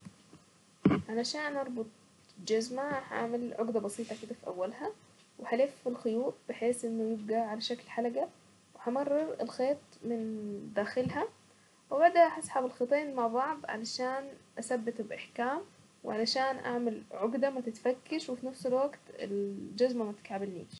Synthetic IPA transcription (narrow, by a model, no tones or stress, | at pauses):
ʕalaʃaːnʔɑɾˤbʊt̪ˤ | d͡ʒazmahaʔa̰ʕmalʕʊɡd̪abɑsˤiːt̪ˤɑkɪd̪afiʔa̰wːalha | wɪħaleːffilxʊjuːʔbɪħeːsʔɪnːʊjɪb̚ɡaʕalaʃaklħalaɡa | wɪhamɑrˤːɑɾɪlxeːt̪ˤmɪnd̪aːxɪlha | wɪbaʕd̪aʔaħɑsˤħabɪlxet̪ˤeːnmaʕbˤɑʕb̪ʕa̰laʃaːnʔasabːɪt̪bʔaħkaːm | wɪ̰ʕalaʃaːnʔa̰ʕmalʕʊɡd̪amat̪ɪt̪fakːaʃwɪfinafsɪlwaɡt̪ɪ̰ld͡ʒazmamat̪ɪ̥k̪ʕabɪlnḭːʃ